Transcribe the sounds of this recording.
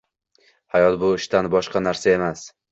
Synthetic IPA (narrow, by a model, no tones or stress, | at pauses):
hajɒt̪bʊɪʃt̪anbɒʃqɑnaɾsae̞mas